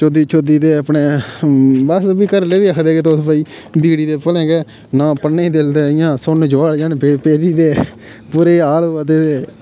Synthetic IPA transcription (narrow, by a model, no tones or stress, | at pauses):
t͡ʃoːd̪iːt͡ʃʰoːd̪iːd̪eːəpneː | bəsbiːkəɾleːʋiːəkʰd̪eːɡeːt̪oʊsbaːiːbiːɽiːd̪eːpəlẽːɡeː | nãːpənːẽːd̪ɪld̪eːɪjãːsʊnd͡ʒʋaːld͡ʒaːnpepeːɾiːd̪eː | puɾeːaːlːad̪eːseː